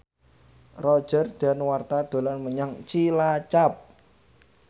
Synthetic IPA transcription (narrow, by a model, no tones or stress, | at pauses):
rɔd̥ʒ̥ə̤rd̥a̤nwart̪ad̪̥o̤lanməɲaŋt͡ʃilat͡ʃap̚